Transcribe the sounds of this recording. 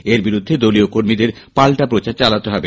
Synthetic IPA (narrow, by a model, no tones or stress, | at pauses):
eɾbiɾud̪ʱːed̪oliokoɾmid̪eɾpalʈapɾot͡ɕaɾt͡ɕalat̪eɦɔbe